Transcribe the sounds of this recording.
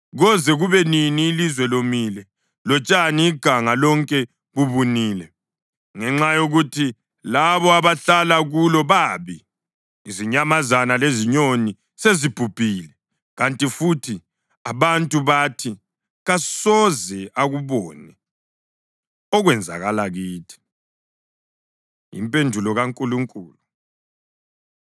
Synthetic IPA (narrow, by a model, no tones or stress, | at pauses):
ɣɔzɛɣuβɛniniːlizwɛlomiːlɛ | lɔt͡ʃʼaniːɡ̥ʱaŋalɔŋkʼɛ | ɣuβuniːlɛ | ŋɛŋ͡ǁajoɣutʰi | laβɔaβaɬalaɣulɔβaːβiː | ziɲamazanaleziɲoni | sezib̥ʱub̥ʱiːlɛ | ɣantʼifutʰi | aβantʼuβatʰi | ɣasɔzɛaɣuβɔːnɛ | ɔɣwɛnd͡zʱa̰ɣalaɣiːtʰi̥ | ḭmpʼendʱulɔɣaŋkʼuluŋkʼuːlu